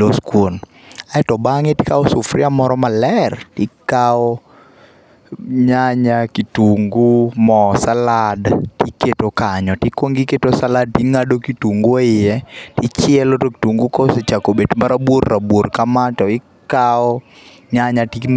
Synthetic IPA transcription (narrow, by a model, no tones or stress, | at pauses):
oskwon | aɛtɔbaŋetɪ̥kaɔsʊfrɪamɔɾɔmalɛrtɪkaɔ | ɲaɲakituŋɡumɔsaladtiketokaɲɔtikwoŋɡiketosalad̚tiŋadokituŋɡoɪjɛtɪt͡ʃɪɛlotoki̥tuŋɡukoset͡ʃakobetmaɾabworːabworkamatɔɪ | kaɔ | ɲaɲati